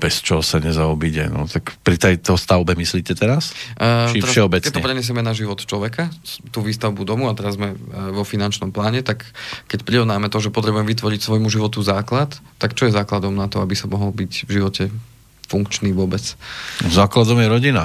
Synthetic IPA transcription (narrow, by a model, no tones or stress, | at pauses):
bɛst͡ʃɔɦɔsaɲɛzaɔbiɟɛ̰nɔ̰t̪akpɾit̪ɛjt̪ɔst̪aʊbɛmisliːcɛt̪ɛɾast͡ʃiɛfɾaʃɛɦɔbɛkːɛt̪ːɛpɾɛɲɛs̬jɛmɛnaʒiʋɔt̪t͡ʃlɔʋɛkat̪uːʋiːst̪aʊbud̪ɔmuat̪ɛɾazzmɛʋɔfinant͡ʃnɔmplaːɲɛt̪akːɛcpɾiɾɔʋnaːmɛt̪ɔʒɛpɔt̪ɾɛbujɛmɛʋit̪ʋɔɾicsʋɔjmuʒiʋɔt̪uzaːklat̪ːakt͡ʃɔjɛzaːklad̪ɔmnat̪ɔabisamɔɦɔlbicvʒiʋɔcɛ | fuŋkt͡ʃniːʋʊɔbɛt͡szaːklad̪ɔmjɛɾɔɟina